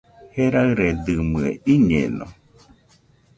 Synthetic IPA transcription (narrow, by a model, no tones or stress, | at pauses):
heɾaɨɾed̪ɨmɨeiɲḛno̰